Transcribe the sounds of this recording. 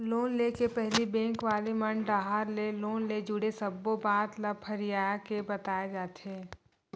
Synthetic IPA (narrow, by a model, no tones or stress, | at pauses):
loːnlekepɛɦlibɛ̃ːŋkʋaːlemɐnɖɖaːɦaɾleloːnled͡ʒʊɽesɐbːobaːt̪lɐbhɐɾijaːjakebɐt̪aːed͡ʒaːt̪eː